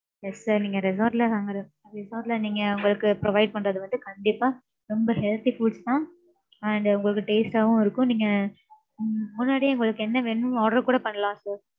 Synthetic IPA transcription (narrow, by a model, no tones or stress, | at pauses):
jɛssaɾniːŋɡɐɾɛsaːɾʈlɐkaːŋɡɐɾɯ̃ | ɾɛsaːɾʈlɐniːŋɡɐʊŋɡɐɭɯkːɯpɾɔʋɐɪɖ̚pɐɳɾɐðɯʋɐnd̪ɯkɐɳɖɪpːaː | ɾɔmbɐhɛɭt̪ifuːst̪ãː | ɐɳɖʊŋɡɐɭɯkːɯʈeːsʈaʋʊ̃ɪɾɯkːʊ̃niːŋɡɐ | mʊnːaːɽiʊŋɡɐɭɯkːɯɛnːɐʋɛnːɯ̃ɔɽɐɾkuːɽɐpɐɳːɐlãːsɐːɾ